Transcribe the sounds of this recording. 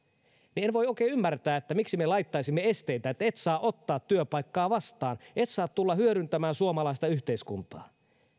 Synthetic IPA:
nienʋo̞joikeːymːært̪æːet̪ːæmiksimelɑjt̪ːɑisimːee̞st̪ejt̪æet̪ːæet̪sɑːʔo̞t̪ːɑːt̪tyøpɑjkːɑːʋɑst̪ɑːnʔe̞t̪sɑːt̪tulːɑhyøɾynt̪æmæːnsuomɑlɑist̪ɑyçt̪eiskunt̪ɑː

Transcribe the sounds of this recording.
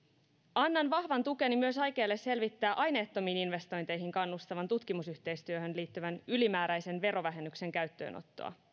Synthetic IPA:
ʔɑnːɑnʋɑhʋɑnt̪uke̞nimyøsɑjke̞ːlːe̞se̞lʋit̪ːæːʔɑjne̞ːt̪ːo̞miːninʋe̞st̪o̞jnt̪e̞jɦiŋkɑnːust̪ɑʋɑnt̪ut̪kimusyht̪e̞jst̪yøhø̞nliːt̪ːyʋænylimæːɾæjse̞nʋe̞ɾo̞ʋæɦe̞nːykse̞ŋkæɥt̪ːø̰ːno̰t̪ːo̞̰ɑ̰

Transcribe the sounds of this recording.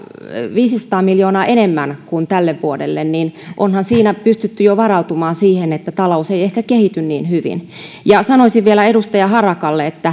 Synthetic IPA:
ʋiːsisɑ̥t̪ɑːmiljoːnɑːʔenemːænkunt̪ælːeʋʋuodelːenninʔonhɑnsiːnæpyst̪yt̪ːyjoʋɑrɑut̪umɑːnsiːhenet̪ːæt̪ɑlouseijehkækehit̪ynnḭːnhyʋḭn | jɑsɑnoisiʋʋielæedust̪ɑjɑhɑrɑkɑlːeet̪ːæ

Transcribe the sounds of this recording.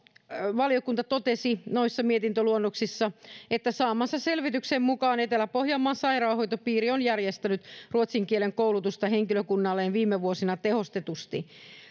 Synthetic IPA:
ʋɑliokunt̪ɑt̪ot̪esinoisːɑmiet̪int̪øluonːoksisːɑet̪ːæsɑːmːɑsːɑselʋit̪yksemmukɑːnet̪elæpohjɑːmːɑːnsɑirɑːhojt̪opiːrionjærjest̪ænyt̪ruot̪siŋkieleŋkoulut̪ust̪ɑɦeŋkiløkunːɑlːeːnʋiːmːeʋuosinɑt̪eho̞st̪et̪ust̪i

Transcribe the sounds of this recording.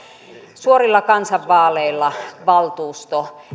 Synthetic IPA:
suorilːɑkɑnsɑʋʋɑːleilːɑʋɑlt̪uːst̪o

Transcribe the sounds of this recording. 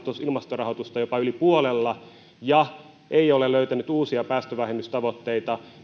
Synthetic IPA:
t̪osilmɑst̪orɑhot̪ust̪ɑjopɑylipuolelːɑ | jɑ | ʔeioleløyt̪ænyt̪uːsiɑpæːst̪øʋæhemːyst̪ɑʋot̪ːeit̪ɑ

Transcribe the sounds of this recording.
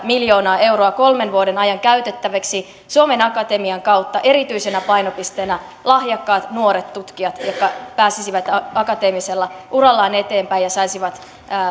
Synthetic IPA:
miljo̞ːnɑːe̞wɾoɑko̞lme̞nʋuodenɑjɑŋkæyt̪et̪ːæʋeksi | suome̞nɑkɑt̪emiɑŋkɑwt̪ːɑʔe̞ɾit̪yisenæpɑinopist̪eːnæ | lɑhjɑkːɑːt̪nuoɾet̪t̪ut̪kiɑt̪jokːɑpæːsisiʋæt̪ɑkɑt̪e̞ːmiselːɑʔurɑlːɑːne̞t̪e̞ːmpæjɑsɑisiʋɑt̪ː

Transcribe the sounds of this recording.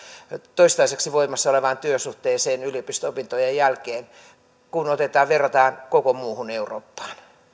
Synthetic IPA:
t̪oist̪ɑiseksiʋoimɑsːɑoleʋɑːnt̪yøsuht̪eːseːnyliopist̪øopint̪ojejjælkeːn | kunot̪et̪ɑːʋʋerːɑt̪ɑːnkokomuːhuneuro̰ːpːɑ̥ːn

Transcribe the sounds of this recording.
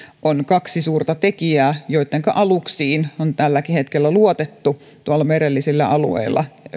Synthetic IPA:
ʔonkɑksisuːrt̪ɑt̪ekiæːjoit̪ˑːeŋkɑʔɑluksiːnont̪ælːækihet̪kelːæluot̪et̪ːu | t̪uɑlːɑmeɾelːisilːæʔɑlṵḛilːˑɑ̰

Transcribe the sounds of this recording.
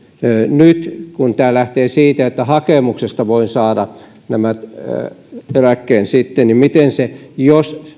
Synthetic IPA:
nyt̪kunt̪æːlæht̪eːsiːt̪æet̪ːæhɑkemuksest̪ɑʋoinsɑːdɑ | næmæt̪ | elækːeːnsit̪ːenimmit̪ensejos

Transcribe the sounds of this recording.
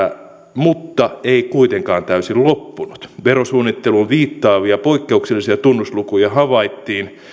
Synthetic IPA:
mut̪ːɑeikuit̪eŋkɑːnt̪æysillopːunut̪ʋerosuːnːit̪ːelulʋiːt̪ːɑːʋiɑpoikːeukselːˑisiɑt̪unːuslukujɑhɑʋɑit̪ːiːn

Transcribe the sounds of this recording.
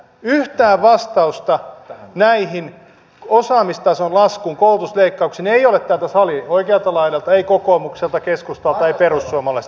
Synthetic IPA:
yht̪æːʋʋɑst̪ɑust̪ɑnæiɦin | osɑːmist̪ɑsonlɑskuːŋkoult̪usleikːɑukseneijolet̪t̪ælt̪æsɑlioikeɑlt̪ɑlɑilɑlt̪ɑeikokoːmukselt̪ɑkeskust̪olt̪ɑeiperusːuomɑlɑis

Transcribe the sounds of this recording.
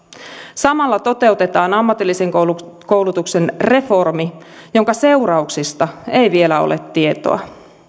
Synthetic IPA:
sɑmɑlːɑt̪o̞t̪e̞ut̪e̞t̪ɑːnɑmːɑt̪ilːise̞ŋkko̞wlut̪ukse̞nre̞fo̞rmi | jo̞ŋkɑse̞uɾɑuksist̪ɑe̞jʋie̞læo̰lḛt̪ːie̞t̪o̰ɑ̰

